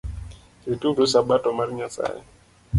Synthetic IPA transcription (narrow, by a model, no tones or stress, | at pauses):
ɾituvusaɓatɔmaɾiɲasa̰jɛ̰